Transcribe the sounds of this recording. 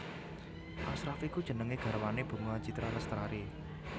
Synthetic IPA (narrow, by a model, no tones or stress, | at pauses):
ʔasɾafikud̥ʒ̥ə̤nəŋeɡ̥ä̤ɾəwaneb̥ṳŋowḁd͡ʒ̥i̤t̪ɾaləst̪ɾaɾe